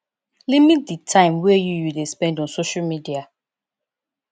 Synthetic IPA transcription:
limit̚ditʰãɪ̃mwɛjujudespɛ̃ndɔ̃nsoʃamidia

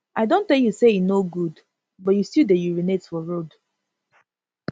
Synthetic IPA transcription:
ʔaɪdõntːɛljusejinoɡud | bɔtjustildejuɹinetsfɔɹod

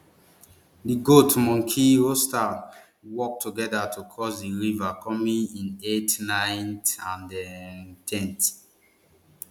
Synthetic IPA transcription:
diɡotmɔ̃ŋkʰiosta | wɔk̚tʰuɡɛdatʰukʰɔsdiɹivakʰɔmĩŋĩnetnãɪ̃ntãndɛtʰɛ̃nt

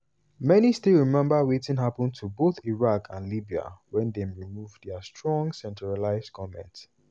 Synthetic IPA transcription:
mɛnistilɹimɛ̃mbəwetĩnɦapə̃ntʰuboθiɹakʰãnlibia̰wɛ̃ndɛ̃mɹimuvdəstʰɹɔ̃ŋsɛ̃ntɹalaɪzkʰɔmɛ̰̃nt

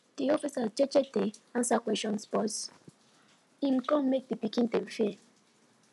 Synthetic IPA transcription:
d̥iɔfisazt͡ʃɛt͡ʃɛdeãnsakwɛʃɔ̃nspɔts | ĩmkɔ̃mmek̚dipikĩntemfi

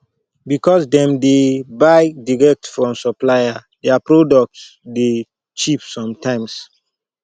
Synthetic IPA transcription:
bikɔsdɛ̃mdebaɪdiɹɛk̚tfɹɔ̃msɔplaja | dɛapɹodɔk̚ts | de | t͡ʃipsɔ̃mtãɪ̃ms

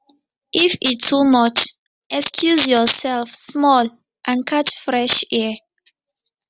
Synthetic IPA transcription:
ʔifitʰːumɔt͡ʃ | ʔɛkskʰjuzjɔsɛlfsmɔl | ʔãnkʰatfɹɛʃɛ

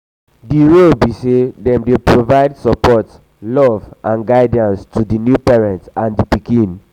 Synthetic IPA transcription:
diɹolbisedɛ̃mdepɹovaɪdsɔpɔt | lɔvʔãnɡaɪdãnstʰudinjupɛɹɛ̃ntãndipikĩn

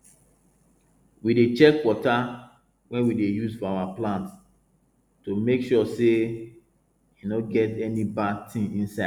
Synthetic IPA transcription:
widet͡ʃɛkwɔta | wɛ̃nwidejuzfɔawaplãnt | tomekʃɔse | inɔ̃ɡɛtɛnibatʰĩŋĩnsaɪ

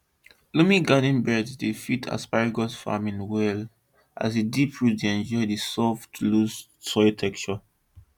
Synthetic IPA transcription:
lumĩɡanĩnbɛddifitʰa̰spaɹiɡɔsfa̰mĩnwɛl | ʔa̰sidipʰɹudeɛ̃nd͡ʒɔɪdisɔftʰlus | tɔitʰɛkt͡ʃə

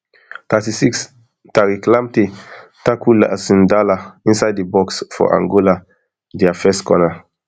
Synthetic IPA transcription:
t̪atisiks | taɹiklãmtetakʰula̰sĩndalaĩnsajdebɔksfɔ̰ʔã̰ŋɡola | diafɛskɔna

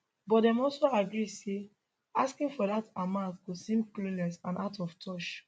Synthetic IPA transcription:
bɔt̚dɛ̃mɔlsoaɡɹise | askĩŋfɔdatamãʊtkosĩmklunɛsãnʔaʊtɔftʰɔt͡ʃ

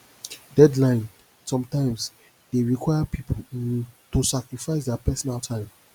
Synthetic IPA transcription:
dɛdlãɪ̃n | sɔ̃mtãɪ̃ms | d̥eɹikʰwajapʰipʰoltosakɹifaɪsdɛapɛsɔnaltʰãɪ̃m

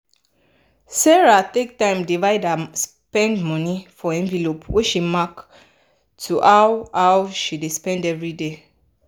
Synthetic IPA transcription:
sɛɹat̪ek̚tãɪ̃mdivaɪdas | pɛ̃ndmɔnifɔɛ̃nvilopwiʃimak | tʰuʔawawʃidespɛ̃ndɛvɹide

